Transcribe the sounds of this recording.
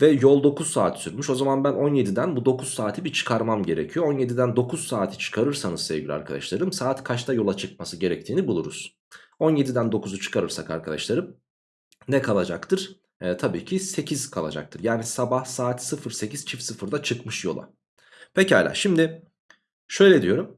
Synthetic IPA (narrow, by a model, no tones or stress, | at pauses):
vɛjolˠd̪o̞kʰuz̥saːt̪syɾmyʃo̞zamanbæno̞nje̞d̪id̪ænbud̪o̞kʰuz̥saːt̪ʰibit͡ʃʰɯ̥kʰaɾmamɟe̞ɾecʰijo̞o̞nje̞d̪id̪ænd̪o̞kuz̥saːt̪ʰi̥t͡ʃʰɯ̥kʰaɾɯɾsanɯzsevɡɟilʲia̰ɾkʰad̪a̰ʃlˠaɾɯmsaːt̪kʰat͡ʃt̪ʰajo̞lˠat͡ʃʰɯk̚masɯɟe̞ɾɛc̚t̪ʰiːnibulˠuɾṵz̥ | o̞njed̪id̪ænd̪o̞kʰuzut͡ʃʰɯ̥kʰaɾɯɾsaka̰ɾkʰad̪aʃlˠaɾɯm | nɛkʰalˠad͡ʒakt̪ʰɯɾ̥ | t̪ʰabiːcʰise̞cʰiz̥kʰalˠa̰d͡ʒa̰k̚t̪ʰɯɾjaːnisabahsaːt̪sɯfɯɾse̞ciz̥t͡ʃʰifsɯfɯɾd̪at͡ʃʰɯkmɯʃjo̞lˠa̰ | pʰecalʲa̰ːʃimd̪ɪ | ʃø̞jlʲɛd̪ijo̞ɾum